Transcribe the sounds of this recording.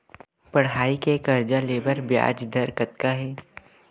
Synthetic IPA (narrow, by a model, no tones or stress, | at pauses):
pɐɽɦaːikekɐɾd͡ʒaleːbəɾbja̰ːd͡ʒd̪ʱəɾkɐt̪kaɦɛː